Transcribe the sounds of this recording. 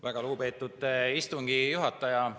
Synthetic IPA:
væɡ̥ɑluɡupe̞ːt̪ːˑud̪̥ist̪uŋɡ̥ijuɦɑt̪ːˑɑjɑ

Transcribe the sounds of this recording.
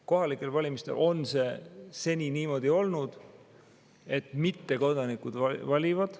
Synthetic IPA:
ko̞ɦɑlikːˑe̞lvɑlʲimist̪e̞̰lʔo̞nse̞se̞nʲiniːmo̞d̪̥io̞lnud̪̥ | e̞t̪ːˑmit̪ːe̞ko̞d̪̥ɑnikud̪̥ɑvɑlʲivɑd̪̥

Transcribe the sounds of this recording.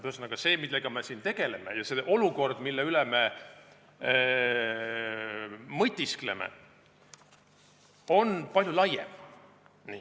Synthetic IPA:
t̪øsnɑkɑse̞ːmilːeɡ̥ɑme̞sint̪e̞ɡ̥e̞le̞mejɑseʔo̞luko̞rd̪̥milːeyleme̞ | mɤjt̪ʲːˑiskle̞mḛ | o̞npɑlʲjulɑjḛm | ni

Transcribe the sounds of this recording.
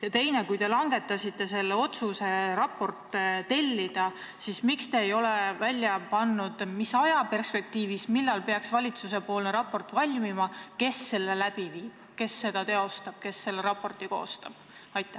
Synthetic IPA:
jɑt̪e̞jne̞kujt̪e̞lɑŋɡe̞t̪ːˑɑsit̪ːˑe̞se̞lːeo̞t̪suse̞ɾɑpːo̞rt̪ːˑt̪e̞lʲːid̪̥ɑ | sismikst̪e̞ːjo̞le̞vælʲːjɑpɑnːud̪̥misɑjɑpe̞rspe̞k̚t̪iːvismilːɑlpe̞ɑksvɑlʲit̪suse̞po̞ːlne̞ɾɑpːo̞rt̪ːˑvɑlʲmimɑke̞sːe̞lːe̞læb̥iviːb̥ke̞sːe̞d̪̥ɑt̪e̞o̞st̪ɑb̥̚ke̞sːe̞lːeɾɑpːo̞rt̪ˑiko̞ːst̪ɑ̰b̥ | ɑjt̪ˑːæ

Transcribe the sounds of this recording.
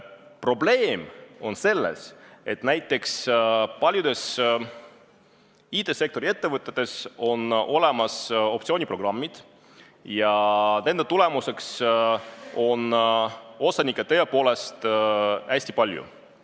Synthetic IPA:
pro̞ble̞ːmo̞nse̞lːḛse̞t̪næjt̪ˑːe̞kspɑlʲjud̪e̞s | iːt̪ˑe̞se̞kt̪o̞ɾie̞t̪ːevɤt̪ːˑet̪ːe̞so̞no̞le̞mɑso̞p̚t̪sio̞ːnʲipro̞ɡ̥rɑmːid̪̥ | jɑne̞nd̪et̪ule̞muse̞ks | o̞n | o̞sɑnʲikːˑet̪eepo̞ːle̞st̪æsʲt̪i̥pɑlʲjṵ

